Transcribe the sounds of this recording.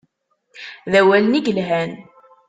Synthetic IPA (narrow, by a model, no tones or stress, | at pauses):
ðæwæləniɡəlɦæn